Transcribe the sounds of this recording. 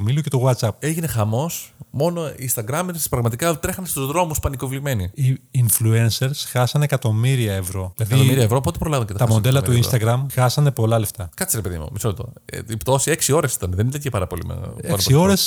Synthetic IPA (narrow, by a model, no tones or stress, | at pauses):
milucet̪oɣwɐt̪sɐp̚eʝine̞xɐmo̞smo̞no̞inst̪ɐɡɾɐmeɾspɾɐɣmɐt̪ikɐt̪ɾe̞xɐnest̪uzðɾo̞muspɐniko̞vlime̞niiːnfluenseɾsxɐsɐnekɐt̪o̞miɾiɐevɾo̞ilɐðiɐioiɾiɐevɾopot̪epɾo̞lɐvɐɲcet̪ɐt̪ɐmod̪elɐt̪uinst̪ɐɡɾɐmxɐsɐne̞po̞lɐle̞ft̪ɐkɐt̪t͡ssiɾepe̞ðḭmṵmisolet̪o̰ipt̪o̞sieksio̞ɾesi̥t̪ɐneðenit̪ɐncepɐɾɐpo̞̰lḭm̰eɐɾɐsio̞ɾes